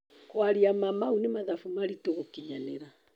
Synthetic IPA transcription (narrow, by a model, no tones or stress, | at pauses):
kwaɾiamamaunemaðafumaɾitoɣokiɲaneɾa